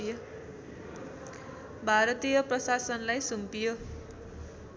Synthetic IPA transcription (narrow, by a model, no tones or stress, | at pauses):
j | bʱaɾʌt̪ijʌprʌsasʌnlajsumpijo